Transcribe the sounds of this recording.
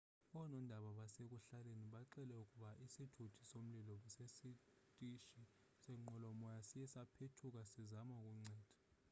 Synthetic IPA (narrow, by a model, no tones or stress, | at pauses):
ɔnɔndʱaɓaɓasek̬uɬaleniɓaǃɛlɛukʼuɓaʔisitʰutʰi̥som̩lilɔɓɛsesi | tʼiʃi | sɛŋ͡ǃɔlɔmɔjasijɛsapʰetʰuk̬asizamak̬ʼuŋ͡ǀɛːd̥ʱḁ